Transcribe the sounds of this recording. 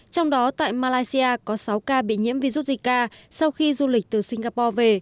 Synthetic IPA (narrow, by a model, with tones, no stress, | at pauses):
t͡ɕɔ˧wŋ͡mɗɔ˨˦t̪a̰ː˧˨jmaː˧laː˧jsi˧aː˧kɔ˨˦sa˨˦wkaː˧ɓḭ˧˨ɲḭ˧˥mvi˧zu˦˥t̚zi˧˩k̚kaː˧sa˧wxi˧zu˧lï˨˩k̟̚t̪ɨ˨˩si˧ŋ̟ɣaː˧pɔ˧ve˨˩